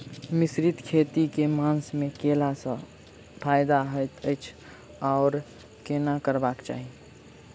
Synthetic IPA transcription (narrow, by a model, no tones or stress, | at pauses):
mɪsɾɪt̪kʰeːt̪ikemaːnsmẽkeːlasə̃ | pʰaːjɪd̪aɦəjt̪ʰəɪt͡ʃʰ | ɔːɾ | keːnakəɾbaːkt͡ʃa̰ːɦie